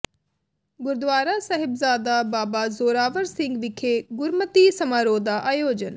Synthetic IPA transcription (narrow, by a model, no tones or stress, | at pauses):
ɡʊɾd̪ʋaːɾaːsəɦɪbzaːd̪aːbaːbaːzoːɾaːʋəɾsɪ̃ŋɡʋɪkʰeːɡʊɾmət̪iːsəmaːɾoːd̪aːʔaːjoːd͡ʒən